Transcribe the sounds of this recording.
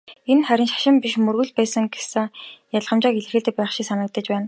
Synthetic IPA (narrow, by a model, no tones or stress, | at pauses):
enχæɾʲɪ̆nʃḁʃɪ̆mpiʃmɵrɣɵ̆ɮpæːsə̆ŋɡesɘ̆ŋjaɮʁə̆mt͡ɕaːkeɮɘ̆rxĕːɮt̪ɘ̆k̚pæːχʃiːksanə̆k̚t̪ə̆t͡ɕpæːn